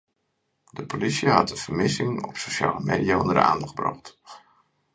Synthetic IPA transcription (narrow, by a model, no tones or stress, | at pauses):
dəpolisiɦɑtdəv̥əɹmɪsɪŋɔ̰psowʃa̰ːləmeːdiaɔndədə̰a̰ːndɑχ̚brɑ̰χt